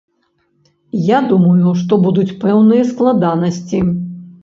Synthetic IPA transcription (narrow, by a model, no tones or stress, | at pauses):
jad̪umɐjuʂt̪ɔbud̪ut͡sʲpɛwnɨjɐsklˠad̪anɐsʲt͡sʲi